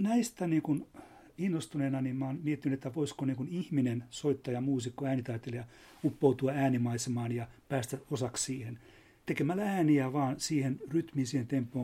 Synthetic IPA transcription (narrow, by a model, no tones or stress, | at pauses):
næist̪æniːŋkun | inːost̪uneːnɑnimmɑːnmiet̪ːinyt̪et̪ːæʋoiskoniːŋkunihminensoit̪ːɑjɑmuːsikːoæːnit̪ɑit̪ːelejɑ | upːout̪uɑæːnimɑisemɑːnjɑpæːst̪æosɑkssiːhen | t̪ekemælææːniæʋɑːnsiːhenryt̪miːnsiːhent̪empːoː